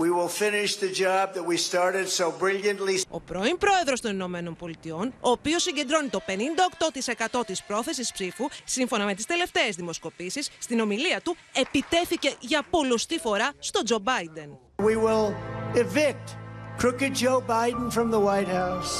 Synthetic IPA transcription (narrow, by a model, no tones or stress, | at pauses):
wiwɪlˠfɪ̃nɪʃðɨd͡ʒɑb̚ðɨt̚wistɑɹɾɨd̥soʊbɹɪlˠjɨ̃nʔlio̞̰pɾo̞impɾo̞e̞ðɾo̞st̪o̞nino̞me̞no̞npo̞lit̪io̞no̞ːpio̞siɲɟed̪ɾo̞nit̪o̞pe̞nind̪ɐokt̪o̞t̪ise̞kɐt̪o̞t̪ispɾo̞θe̞s̬ispsifusiɱfo̞nɐme̞t̪ist̪e̞le̞ft̪e̞ezðimo̞sko̞pisisːt̪ino̞miliɐt̪u | e̞pit̪e̞θice̞ʝɐpo̞lost̪ifo̞ɾɐst̪o̞d͡ʒo̞bɐjd̪e̞n | wiwɪlˠɪvɪk̚t̚kʰɹ̥ʊkɨt̚d̥ʒ̥oʊbaɪdⁿn̩fɹʌ̃mðəwaɪt̚haʊs